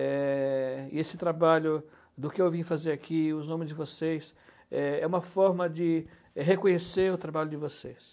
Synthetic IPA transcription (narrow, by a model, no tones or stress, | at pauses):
ɛ | ɪ̰esɪt̪ɾabaʎʊ | d̪ʊkɪewvĩfazeɾakʰiʊznõmɪzd͡ʒɪvosejs | ɛɛũmɐfɔɾmɐd͡ʒɪ | ɛɦekõɲeseɾʊt̪ɾabaʎʊd͡ʒɪvoses